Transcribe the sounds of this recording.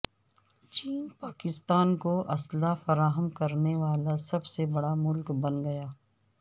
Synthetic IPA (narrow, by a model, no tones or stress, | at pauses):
t͡ʃiːnpaːkɪst̪aːnkoʔɐslafɐɾaːɦəmkɐɾneʋaːlasɐbsebɐɽamʊlkbɐnɡɐjaː